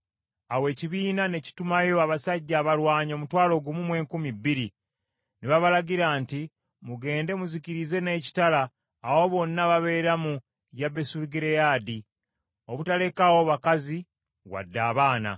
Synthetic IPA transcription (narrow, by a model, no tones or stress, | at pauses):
awe̞ːciβiːnane̞ci̥tumajo̞aβasaɟːaːβalwaːɲo̞mutwaːlo̞ɡumumwe̞ːŋkumibːiɾi | niβaβalaɡiɾaːnti | muɡe̞ːnde̞muziciɾize̞ne̞ːci̥talaː | wo̞βo̞nːaβaβe̞ːɾamu | jabe̞suɾɡiɾejaːdi | oβutale̞kawo̞βakazi | ɣwa̰dːaːβaːna̰